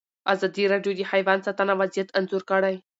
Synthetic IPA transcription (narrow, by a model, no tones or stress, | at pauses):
azad̪iɾaɖjod̪ihajʋansat̪anaʋazijat̪ənzuɾkəɽaj